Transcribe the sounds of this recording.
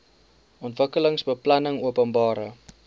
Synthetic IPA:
ʔɔntvəkələŋsbəplɐnəŋuəpəmbɑːɾə

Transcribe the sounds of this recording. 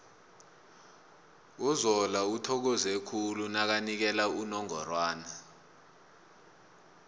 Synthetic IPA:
uzɔlautʰɔk̬ɔzekʰulunak̬anik̬ɛlaunɔŋɔ̰rwaːna

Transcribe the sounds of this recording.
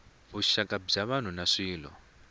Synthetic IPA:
βuʃakʼab͡ʐaβan̤unaʂiːlɔ̰

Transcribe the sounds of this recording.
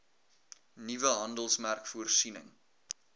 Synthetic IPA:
nivəɦɐndəlˠsmærkfuərsinə̰ŋ

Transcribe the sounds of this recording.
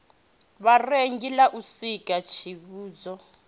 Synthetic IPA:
βareŋɡilaʔusikʼat͡ʃʰiβuːd͡zɔ

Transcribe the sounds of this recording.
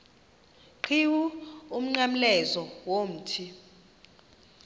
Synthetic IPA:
ǃʰiwuum̩ŋ͡ǀam̩lɛzɔwom̩ːtʰi

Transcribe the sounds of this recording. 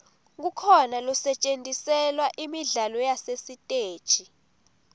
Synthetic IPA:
k̬ukʰɔnalɔsɛt͡ʃʼentʼisɛlwaʔimiɮalɔjasesitʼe̥ːt͡ʃʼi

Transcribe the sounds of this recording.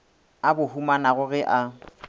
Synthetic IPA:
abʊhumanaɣʊɣɪʔa

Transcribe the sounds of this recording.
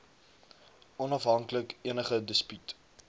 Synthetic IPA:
ʔɔnɐfɦɐŋkləkiənəχədəspyt

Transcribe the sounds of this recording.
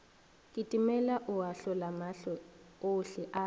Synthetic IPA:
kʼitʼimɛlaʔʊaɬɔlamaɬɔ | oɬɛʔa

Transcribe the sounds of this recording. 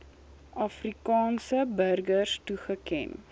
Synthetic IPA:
ʔɐfrikɑːnsəbərɡərstuχəkɛ̰n

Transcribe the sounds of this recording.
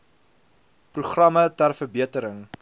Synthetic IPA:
pruχrɐmətærfərbiətəɾəŋ

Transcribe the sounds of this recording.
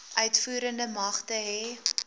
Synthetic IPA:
ʔœɥtfuːɾəndəmɐχtəɦɛ

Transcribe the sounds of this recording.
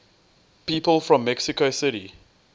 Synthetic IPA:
piːpəlˠfɹɔ̃mːɛksɪkosɪɾi

